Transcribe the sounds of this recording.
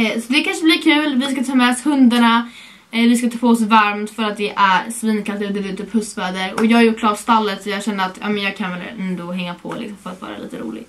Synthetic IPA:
sɔd̪ɛkʰanʂəblɪɾkʰʉ̟ːlvɪskat̪ʰɑːmɛɔshɵnd̪aɳa | vɪskat̪ʰɑːpʰoɔs̬vaɾmt̪fœɾat̪̚d̪ɛʔæɾsviːnkʰalt̪əɔd̪ɛb̪ɪt̪ʰyːphɵsvɛːd̪əɾɔ̰jɑːɡajʊʈːkʰlɑːɾast̪alːət̪sɔjɑːɡɕɛnd̪əat̪ʰjɑ̰ːmɛnjɑːɡ̚kʰanvɛlɛ̰nd̪ɔɦɛŋːapʰɔ̰lɪ̰ksɔmfœɾat̪vɑ̰ːɾa̰lḭːt̪ə̰ɾṵːlɪ̰ɡ

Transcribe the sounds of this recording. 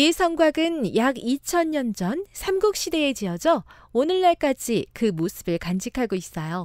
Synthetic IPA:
isʰʌŋɡwaɡɯnjaɡit͡ɕʰʌɲɲʌnd͡ʑʌnsʰamɡuk̚ɕ͈ide̞ed͡ʑiʌd͡ʑʌ | onɯɭːaɭk͈ad͡ʑikɯmosʰɯbɯɭkand͡ʑikʰaɡois͈ʌjo

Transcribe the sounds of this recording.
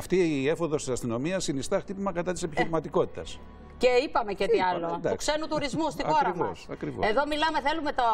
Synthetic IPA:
ft̪iefo̞ðo̞st̪isɐst̪ino̞miɐsːinist̪ɐxt̪ipimɐkɐt̪ɐt̪ise̞piçiɾimɐt̪iko̞t̪i̥t̪ɐs | ceipɐme̞ceiɐlod̪ɐukse̞nut̪uɾizmust̪ixo̞ɾɐmɐsɐkɾivoeðo̞milɐme̞θe̞lume̞t̪o

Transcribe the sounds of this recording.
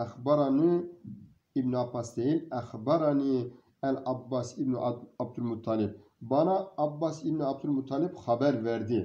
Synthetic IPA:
ɛxbɑɾɑni | ibnuapʰɑst̪ɛilɛxbɑɾɑni | ɛlɑbːɑsibnuʔɑb̚d̪ulmut̪ʰːɑlib̚bɑnɑːbːɑsibnuɑb̚t̪ʰulmut̪ʰːɑlibxɑbɛɾvɛɾd̪i

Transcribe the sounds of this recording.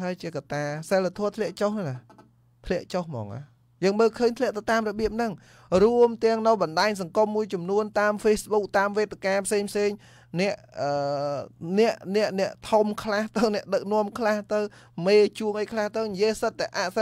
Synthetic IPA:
ɦaəjt͡ɕiəkat̪aːsalːat̪ʰɔət̪ʰlɛ̆əʔt͡ɕohnana | t̪ʰlɛ̆əʔt͡ɕohmɔ̰ːŋʔa̰ | jəːŋməːlkʰəːɲt̪ʰlɛ̆əʔt̪ɨwt̪aːmrɔɓiəp̚nɨŋ | ruəmt̪ɛ̆əŋnɨwɓɑnɗaːɲs̬ɑŋkumːuəjt͡ɕɑmnuənt̪aːmfeːsɓuk̚t̪aːmʋeːt̪ekaːpʰseːŋpʰseːŋ | nɛ̆əʔʔəː | nɛ̆əʔnɛ̆əʔnɛ̆əʔt̪ʰumkʰlaht̪ɨwnɛ̆əʔɗək̚nŏəmkʰlaht̪ɨw | meːt͡ɕuəŋʔəjkʰlaht̪ɨwnijiəsət̪̚ːaʔaːʔ

